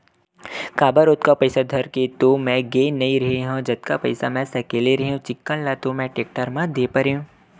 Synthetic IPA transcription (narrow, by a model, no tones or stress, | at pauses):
kaːbəɾot̪kapɐɪsad̪ʱɐɾket̪omɛ̃ɡeːnɐĩɾɐɦeɦãd͡ʒɐt̪̚kapɐɪsamɛ̃sɐkeːleɾɐɦeɦũt͡ʃɪkːənlaːt̪omɛ̃ʈeːk̚ʈəɾmãd̪eːpɐɾeːũ